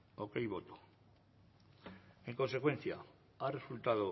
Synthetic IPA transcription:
okajβo̞t̪o̥ | e̞ŋkonse̞kwe̞n̟θja | are̞sult̪aðo

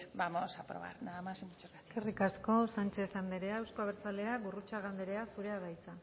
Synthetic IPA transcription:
bamosapɾo̰βa̰ɾnaðamasimbut͡ʃeɾkat̪i̥kerikasko̞sant͡ʃe̞θand̪e̞ɾeaewskoaβeɾt͡sale̞aɣurut͡ʃaɣ̞and̪eɾe̞asuɾe̞aðajt͡san

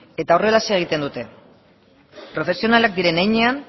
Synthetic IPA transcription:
e̞t̪aore̞lase̞ɣ̞it̪e̞nd̪ut̪e̞ | pɾo̞fe̞sio̞nalak̚d̪iɾe̞nejɲe̞an

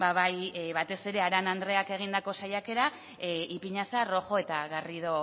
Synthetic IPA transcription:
baβajβat̪e̞se̞ɾe̞aɾanand̪ɾe̞ake̞ɣ̞ind̪ako̞sajake̞ɾa | ipiɲasaro̞xo̞e̞t̪aɣarið̞o̞

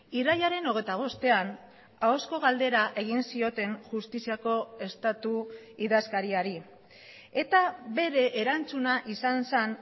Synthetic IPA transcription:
irajaɾe̞no̞ɣ̞ejt̪aβ̞o̞st̪e̞an | aosko̞ɣ̞ald̪e̞ɾaʔe̞ɣ̞insio̞t̪e̞ŋʝust̪isiako̞e̞st̪at̪uiðaskaɾiaɾi | e̞t̪aβe̞ɾe̞ʔːɾant͡sunaʔisansan

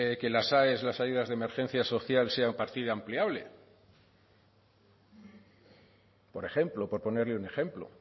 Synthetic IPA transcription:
ke̞lasaeslasaʝuðazðeme̞ɾxe̞n̟θjaso̞θjalse̞aumpaɾt̪iðampliaβle̞̰ | po̞ɾe̞χe̞mplo̞po̞ɾpo̞ne̞ɾleune̞xe̞mplo̰

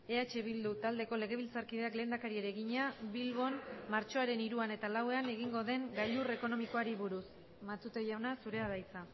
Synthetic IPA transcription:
e̞at͡ʃe̞βild̪ut̪ald̪e̞ko̞le̞ɣ̞e̞β̞ilt͡saɾkiðeakle̞ːnd̪akaɾieɾeɣiɲaβilβo̞nmaɾt͡ʃo̞aɾe̞niɾuane̞t̪alawe̞ane̞ɣ̞iŋɡo̞ðe̞ŋɡaʎure̞ko̞no̞miko̞aɾiβuɾus | mat̪ut̪ejawnasuɾe̞aðajt͡sa

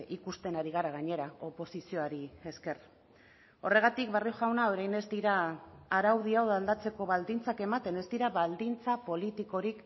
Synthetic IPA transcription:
ikust̪e̞naɾiɣ̞aɾaɣ̞aɲe̞ɾao̞po̞sisio̞aɾie̞ske̞r | o̞re̞ɣ̞at̪ik̚βarioʝawnaoɾajne̞zd̪iɾaːɾawð̞iawðald̪at͡se̞ko̞βald̪int͡sake̞mat̪e̞ne̞zd̪iɾaβald̪int͡sapo̞lit̪iko̞ɾik

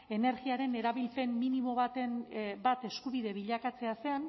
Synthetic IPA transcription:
e̞ne̞ɾɣiaɾe̞ne̞ɾaβilpe̞mminimo̞βat̪enbat̪e̞skuβiðe̞βiʎakat͡se̞ase̞an

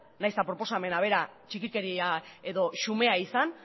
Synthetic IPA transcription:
najst̪apɾo̞po̞same̞naβ̞e̞ɾat͡ʃikike̞ɾiae̞ðo̞ʃume̞aisan

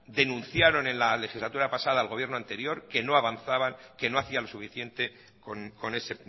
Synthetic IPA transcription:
d̪e̞nũnθjaɾo̞nẽ̞nlale̞xizlat̪uɾapasaðaːlɣo̞βjeɾnoant̪e̞ɾjo̞ɾke̞no̞aβanθaβaŋke̞no̞aθialo̞sufiθje̞nt̪e̞ | konko̞ne̞se̞

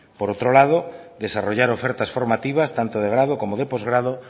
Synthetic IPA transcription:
poɾowt̪ɾolað̞od̪esaroʎaɾofɛɾt̪asfoɾmat̪iβ̞ast̪ant̪oð̞eɣ̞ɾað̞okomoðepozɣɾað̞o

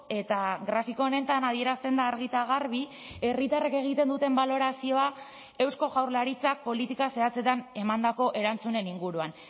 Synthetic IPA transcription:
e̞t̪aɣɾafiko̞ːne̞t̪anað̞ie̞ɾast̪e̞nd̪aːɾɣit̪aɣ̞arβi | e̞rit̪arake̞ɣ̞it̪e̞nd̪ut̪e̞mbalo̞ɾasio̞a | e̞wsko̞ɣawɾlaɾit͡sak̚po̞lit̪ikase̞at͡se̞t̪ane̞mand̪ako̞ʔe̞ɾant͡sune̞niŋɡuɾuan

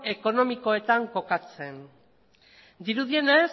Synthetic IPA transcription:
e̞ko̞no̞miko̞e̞t̪aŋko̞kat͡se̞n | d̪iɾuðie̞nes

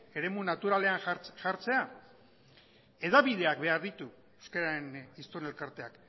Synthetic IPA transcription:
e̞ɾe̞munat̪uɾale̞anʝaɾt͡se̞a | e̞ðaβiðe̞ak̚be̞aɾðit̪u | ewskaɾaɾe̞nist̪one̞lkaɾt̪e̞ak

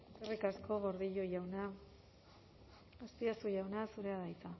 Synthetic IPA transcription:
eskerikasko̞ɣo̞ɾðiʎoʝawna | ast̪iasuʝawnasuɾe̞aðajt͡sa

